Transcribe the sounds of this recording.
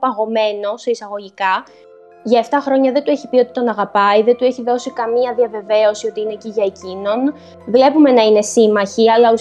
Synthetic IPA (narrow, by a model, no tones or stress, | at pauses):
pɐɣo̞me̞no̞soisɐɣo̞ʝikɐ | ʝɐeft̪ɐxɾo̞ɲɐðe̞nd̪ueçipio̞t̪i̥t̪o̞nɐɣɐpɐiðed̪ue̞çiðo̞sikɐmiɐðiɐve̞ve̞o̞sio̞t̪iineciʝɐecino̞n | vle̞pume̞nɐine̞simɐçiɐlɐu